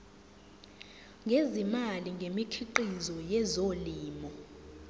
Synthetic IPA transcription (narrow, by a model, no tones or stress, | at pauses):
ŋɡʱezimaliŋɡʱemikʰiǃizɔjɛzoliːmɔ